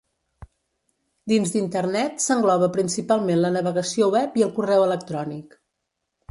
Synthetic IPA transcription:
d̪inzd̪int̪ərnɛt̪səŋɡlɔβ̞əpɾinsipalˠmenlənəβ̞əɣəsiowɛpiəlˠkurɛwələk̚t̪ɾɔnik

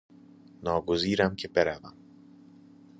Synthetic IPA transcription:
nɒːɡoziːɾæmcʰe̞beɾævæm

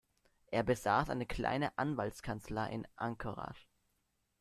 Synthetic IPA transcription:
ʔeːɐbəzaːsʔaɪnəkʰl̥a̰ɪnəʔanvaltskʰant͡slaɪʔɪnʔaŋkʰoʁa̰ʃ

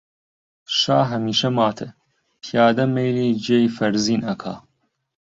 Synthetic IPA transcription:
ʃaːɦɐmiːʃɐmaːt̪ʰɨ | pʰjaːd̪ɐmejliːd͡ʒejfɐɾziːnɐkʰa̰ː

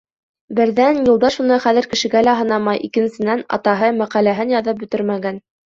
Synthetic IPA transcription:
bɘ̆ɾðænjulˠd̪ɑʃŭnɤχæðɘ̆ɾkɘ̆ʃɘ̆ɡælæɦɤ̆nɑmɑjʔḭkɘ̆nsɘ̆nænɑ̰t̪ɑɦɤmæqælæɦɘnjɑðɤp̚bɵ̆t̪ɘɾmæɡæn

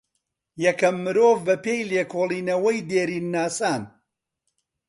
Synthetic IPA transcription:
jɛkɐmːɨɾoːvbɐpeːjleːkʰoːlˠiːnɐwɐjd̪eːɾiːnːaːsaːn

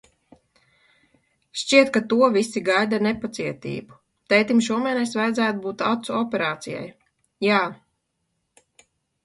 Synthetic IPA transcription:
ʃt͡ʃiɛt̪̚kat̪uɔvisiɡajd̪anepat̪siɛt̪ḭːbu̥ | t̪ɛjt̪imʃuɔmɛnɛsvajd̪zæːt̪ubuːt̪at̪suɔpɛɾaːt̪sija̰j | jaː

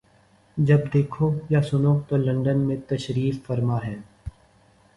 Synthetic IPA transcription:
d͡ʒɐbd̪eːkʰojasʊnot̪oːlɐ̃ɳɖənmẽt̪ɐʃɾiːffɐɾmaɦɛː

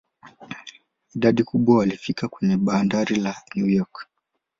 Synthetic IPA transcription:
iɗaɗikuɓwawalifikʰakwɛɲɛɓaːndaɾilanjujɔk

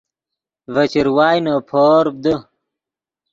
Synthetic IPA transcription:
vɐt͡ɕiɾwaːjnopʰoːɾb̚d̪ə

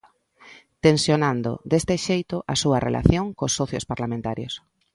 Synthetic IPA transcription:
t̪ensjonãnd̪o̰d̪est̪ɪʃejt̪ʊʔasuɐrʔḛlʔa̰θjoŋkosːɔθjospaɾlamẽnt̪aɾjo̰s

